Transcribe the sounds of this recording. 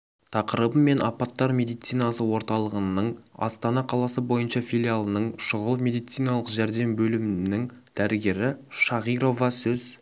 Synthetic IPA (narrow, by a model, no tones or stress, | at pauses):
t̪ʰɑqəɾəbəmːe̞nɑpɑt̪ːɑɾmʲe̞d̪ijt̪sijnɑsəwo̞ɾt̪ɑlˠəʁənəɴɑ̰st̪ɑnɑqʰɑlˠɑsəbo̞jənʃɑfʲilʲijalˠənəɴʃʊʁəlˠmʲe̞d̪ijt̪sijnɑlˠəqʒæɾd̪e̞mbɵlɪmɪnɪŋd̪̥æɾɪɡʲe̞ɾɪʃɑʁijɾo̞vɑsɵz̥